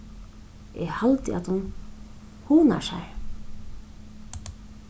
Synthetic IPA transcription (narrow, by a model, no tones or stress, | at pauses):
ɛhalt̪ɪa̰t̪hun | huːna̰ʂa̰